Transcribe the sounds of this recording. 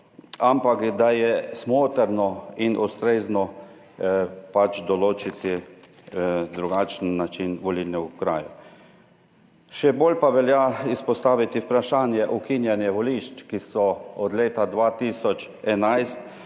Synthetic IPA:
ampakd̪ajɛsmoːt̪ɛɾnɔinʔust̪ɾeːznɔ | pat͡ʃd̪ɔloːt͡ʃit̪i | d̪ɾuɡaːt͡ʃnːat͡ʃinʋɔlilnɛukɾa̰ːju | ʃɛboːlpaʋɛljaispɔst̪aːʋit̪iwpɾaʃaːnjɛʔukinjɛnjɛʋɔliʃt͡ʃkisɔɔd̪leːt̪ad̪ʋaːt̪iːsɔt͡ʃ | ɛnajst̪

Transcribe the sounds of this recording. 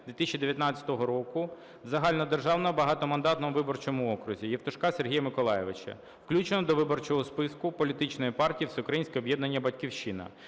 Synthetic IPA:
d̪ʋʲit̪ɪst͡ʃːid̪eʋʲjɐt̪nɑt͡sʲɐ̥t̪ɔɦɔɾɔkʊ | zɐɦɑlʲnɔd̪erʒɑwnɔbɐɦɑt̪ɔmɐnd̪ɑt̪nɔmʊʋɪbɔrt͡ʃɔmʊɔkɾʊzʲijɛft̪ʊʃkɑserɦijɐmɪkɔlˠɑjeʋɪt͡ʃɐ̰ | wklʲut͡ʃenɔd̪ɔʋɪbɔrt͡ʃɔɦɔspɪskʊpɔlʲit̪ɪt͡ʃnɔjipɑrtʲijisʊukɾɐjinʲsʲkʲɪɔbjɛd̪nɐnʲːɐbɐtʲkʲiwʃinɐ̰

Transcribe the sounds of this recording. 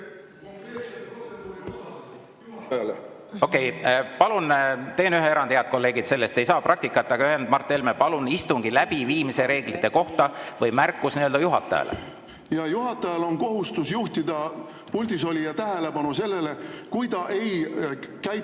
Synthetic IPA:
l | o̞kːˑe̞jpɑlunt̪e̞ːnyɦeeɾɑnd̪heɑt̪̚ko̞lːe̞ːɡid̪̥se̞lːe̞st̪e̞jsɑːprɑk̚t̪ikːˑɑt̪ːɑɡ̥ɑyɦend̪̚mɑrt̪ˑːelmepɑlunist̪uŋɡ̥ilæbiviːmise̞ɾe̞ːɡ̥lit̪ˑːe̞ko̞ht̪ɑvɤjmærkːˑusniøld̪ɑjuɦɑt̪ːˑɑ̰jɑ̰lḛ | jɑjuɦɑt̪ːˑɑjɑlo̞nko̞ɦust̪usjuht̪id̪ɑ | pulʲd̪iso̞lijɑt̪æɦelebɑnuse̞lːelekujd̪ɑʔe̞jkæj

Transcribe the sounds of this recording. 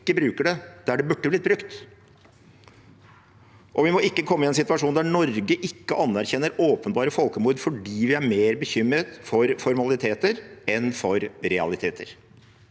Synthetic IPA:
kːəbɾʉːkəɖɛd̪̥æɖɛbʉʈːəblɪt̪̚bɾʉkt̪ | ʔɔʋɪmɔɪkːəkʰɔmːəɪɛnsɪt̪ʋɑʂuːnd̪æɳɔɾɡəʔɪkːəʔɑnːæɾçɛnːəɾoːpənbɑːɾəfɔlˠkəmuːɾd̪fɔɖiːʋɪæɾmeːɾbəçʏmːɾət̪fɔɾfɔɾmɑlɪt̪ʰeːt̪əɾɛnfɔɾɾɛɑ̰lɪt̪ʰeːt̪ʰəɾ

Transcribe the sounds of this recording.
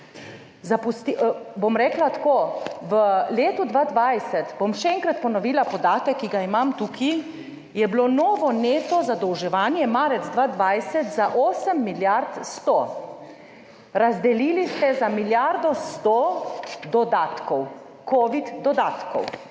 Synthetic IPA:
zapust̪ibomɾɛːklat̪koːʋəleːt̪ud̪ʋad̪ʋajsɛt̪bomʃɛɛːŋkɾat̪pɔnɔʋiːlapɔd̪aːt̪ɛkːiɡaimamt̪uːkʰi | jɛblonoːʋɔneːt̪ɔzad̪ɔwʒɛʋaːnjɛmaɾɛd̪zd̪ʋaːd̪ʋajsɛt̪zaʔoːsəmːiljaɾt̪st̪o | ɾazd̪ɛliːlist̪ɛzamiljaɾd̪ɔst̪od̪ɔd̪at̪kɔw | koːʋid̪d̪ɔd̪aːt̪kɔ̰w

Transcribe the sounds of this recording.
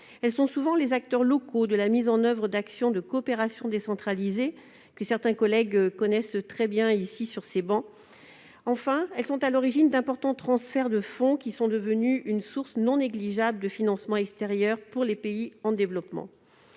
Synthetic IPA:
ɛlsɔ̃suvɑ̃lezak̚t̪œʁlɔkod̪əlamizɑ̃nœvʁəd̪aksjɔ̃d̪əkoːpeʁasjɔ̃d̪esɑ̃t̪χalize | kəsɛʁt̪ɛ̃kɔlɛɡkɔnɛst̪χɛbjɛ̃isisyʁsebɑ̃ | ɑ̃fɛ̃ɛlsɔ̃t̪alɔʁiʒind̪ɛ̃pɔʁt̪ɑ̃t̪χɑ̃sfɛʁd̪əfɔ̃kʲisɔ̃d̪əvənyʔynsuʁsnɔ̃neɡliʒabləd̪əfinɑ̃smɑ̃ɛkst̪eʁjœʁpuʁlepeiɑ̃d̪evlɔpmɑ̰̃

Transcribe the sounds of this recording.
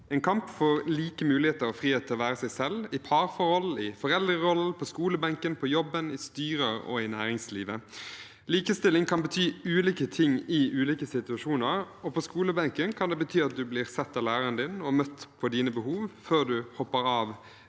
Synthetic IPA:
ɛːnkʰɑmpfɔɾliːkəmʉːlɪheːt̪əɾɔfʁiːeːt̪ʰɪlɔʋæːɾəsæɪsɛlɪpʰɑʁfɔɾhɔlɪfɔʁɛld̪əɾɔlːpʰɔskuːləbɑŋkənpʰɔjɔbːənɪst̪yːɾəɾɔ̰ɪnæːɾɪŋsliːʋə | liːkəst̪ɪlːɪŋkʰɑnbət̪ʰyːʉːliːkət̪ʰɪŋɪʔʉːliːkəsɪt̪ʉɑʃuːnəɾ | ɔpʰɔskuːləbɑŋkənkʰɑnd̪ɛːbət̪ʰyːɑt̪̚d̪ʉblɪːʁsɛt̪ːɑʋlæːʁɑɾənd̪ɪnɔmœt̪ːpʰɔd̪iːnəbəhuːʋføːʁd̪ʉhɔpːəɾɑːʋ

